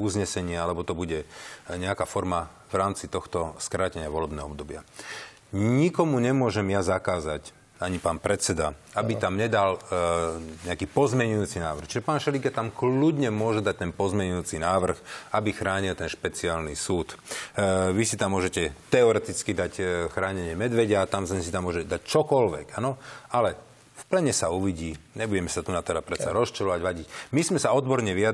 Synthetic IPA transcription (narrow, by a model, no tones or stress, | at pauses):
uzɲɛsɛɲɪɛalɛbɔt̪ɔbuɟɛɲɛakafɔɾma | vɾaːmt͡sit̪ɔxt̪ɔskɾaːcɛɲɪaʋɔlɛbnɛːɦɔɔbd̪ɔbɪa̰ | ɲikɔmuɲɛmʊɔʒɛmjazakaːzac | aɲipaːnpɾɛt͡sɛd̪aabit̪amɲɛd̪al | ɲɛakiːpɔzmjɛɲujuːt͡sinaːʋr̩xt͡ʃiʒɛpaːnʃɛliɡat̪amkludɲɛmʊɔʒɛd̪ac̚t̪ɛnpɔzmɛɲujuːt͡sinaːʋr̩xabixɾaːɲilt̪ɛnʃpɛt͡siaːlnisuːt̪ | ʋisit̪amːʊɔʒɛcɛt̪ɛɔɾɛt̪it͡skid̪acxɾaːɲɛɲɪɛmɛd̪ʋɛɟaat̪amsɛnsit̪amːʊɔʒɛɛd̪act͡ʃɔkɔlʋɛ̰ɡanɔalɛ | fplɛɲɛsauʋiɟiːɲɛbuɟɛmɛsat̪unat̪ɛɾapɾɛt͡saɾɔst͡ʃɛlɔʋaɟʋaɟicmizmɛsaɔd̪bɔɾɲɛʋiad̪